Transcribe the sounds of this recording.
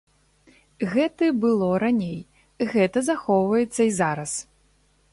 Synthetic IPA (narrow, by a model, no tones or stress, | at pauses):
ɣɛt̪ɨbɨlˠɔɾanʲej | ɣɛt̪ɐzaxɔwvɐjɛt̪sːɐizaɾɐs